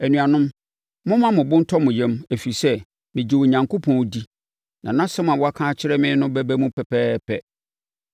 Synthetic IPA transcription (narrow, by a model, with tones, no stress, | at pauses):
æ˨nũ˨a˨nʊ̃˦m | mʊ̃˦mã˦mʊ̃˨bʊ̃˦n̩˦tʰɔ˦mʊ̃˨jɛ̃˦mæ˨fi˨sɛ˦ | mɪ̃˨d͡ʑi˨wo˨ɲã˨ŋkʰo˦pʰɔ̃˨˦di˦ | nã˨nã˦sɛ˦mã˨wɔ˦a˦kʰã˦t͡ɕʰɪ˦ɾɛ˦mɪ̃˦nʊ̃˦bæ˦bæ˦mũ˦pʰɛ˨pʰɛː˦pʰɛ˦